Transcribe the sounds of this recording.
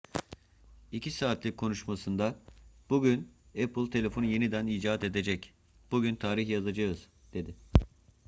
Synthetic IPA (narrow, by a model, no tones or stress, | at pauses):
icʰisaːt̪ʰlʲikʰːo̞nuʃmasɯnd̪ab̥uɟynɛplˠʲt̪ʰe̞lʲe̞fo̞nje̞nid̪æniːd͡ʒaːt̪e̞d̪e̞d͡ʒɛc | b̥uɟynt̪ʰaːɾiçjazad͡ʒaɯz̥ | d̪̥e̞d̪ɪ